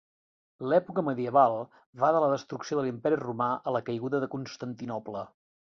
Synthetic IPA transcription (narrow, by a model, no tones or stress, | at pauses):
lɛpukəməðiəβalˠ | βaðələðəst̪ɾuksioðəlimpɛɾirumaʔələkəjɣuðəðəkunst̪ənt̪inɔplə